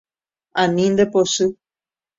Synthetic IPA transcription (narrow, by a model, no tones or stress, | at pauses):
ãnĩnd̪eposɨ